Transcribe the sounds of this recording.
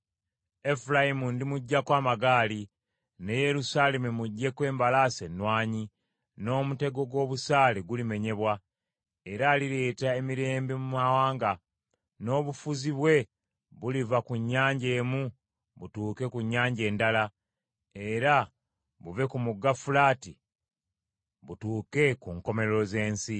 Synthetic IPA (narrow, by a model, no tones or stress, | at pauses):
e̞fulajimundimuɟːakwaːmaɡaːli | ne̞je̞ɾusaːle̞mumuɟːe̞kwe̞ːmbalaːse̞nːwaːɲi | no̞ːmute̞ɡo̞ɡwo̞ːβusaːleɡulime̞ɲe̞βwa | e̞ɾaːliɾe̞ːtae̞miɾe̞ːmbimumawaːŋɡa | no̞ːβufuziβwe̞ | βulivakuɲːaːɲɟe̞ːmu | βutuːke̞kuɲːaːɲɟe̞ːndala | e̞ɾa | βuve̞kumuɡafulaːti | βutuːke̞kuŋko̞me̞ɾoze̞ːnsi